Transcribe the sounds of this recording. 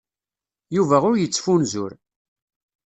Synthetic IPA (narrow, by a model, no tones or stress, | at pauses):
juvæʁʊɾjət͡sːfunzʊ̰ɾ